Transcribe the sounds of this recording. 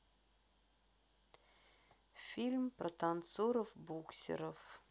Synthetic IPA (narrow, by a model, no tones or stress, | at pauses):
fʲilʲmprɐt̪ʰant̪soɾəfbuksʲɪ̰ɾəf